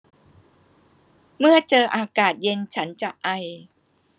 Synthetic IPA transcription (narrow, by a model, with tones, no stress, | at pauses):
mɯ˥˩ɐt͡ɕɤː˧ʔaː˧kaː˨˩t̪̚je˧nt͡ɕʰa˦˥nt͡ɕa˨˩ʔa˧j